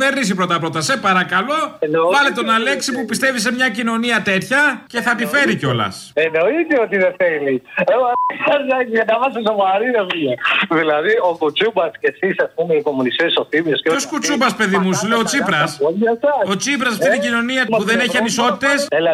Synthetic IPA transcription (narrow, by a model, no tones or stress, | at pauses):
eɾnis̬ipɾo̞t̪ɐpɾo̞t̪ɐse̞pɐɾɐkɐlo̞nvɐlet̪onɐle̞ksipupist̪e̞vis̬emɲɐcino̞niɐt̪e̞t̪çɐce̞θɐt̪ife̞ɾiceo̞lɐ̰s | eno̞it̪eot̪iðeθelieɐɐɐɐɐt̪ɐvɐsisovɐɾinɐsɐðilɐðiokut͡subɐscesisɐspumeiko̞munist̪esoθimioseoskut͡subɐspe̞ðimusleo̞t͡sipɾɐsɐt̪ɐo̞t͡sip̬ɾɐsɐft̪it̪iɟino̞niɐpuðeneçiɐniso̞t̪it̪e̞sel